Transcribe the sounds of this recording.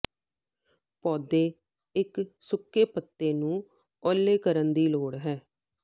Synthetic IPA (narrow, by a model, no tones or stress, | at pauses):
pɔːd̪eː | ɪksʊkːeːpət̪ːeːnũː | ɔːlːeːkəɾənd̪iːloːɽɦɛː